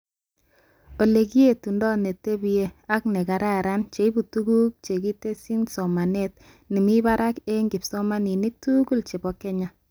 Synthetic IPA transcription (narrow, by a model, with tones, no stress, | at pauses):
o˨le˨ki˦e˨tu˨ndɔ˦ne˨te˦bi˨e˦a˦k̚nɛ˨ka˨ɾa˦ɾa˦nt͡ʃe˨˦i˦bu˨tu˦ɡu˦k̚t͡ʃe˨ki˦te˦si˦nsɔ˨ma˨ne˦t̚ | ni˨mi˦ba˦ɾa˦ke˦ŋɡɪ˨psɔ˦ma˦ni˨ni˦k̚tu˦ɡu˦lt͡ʃe˨bɔ˨kɛ˦ɲa˦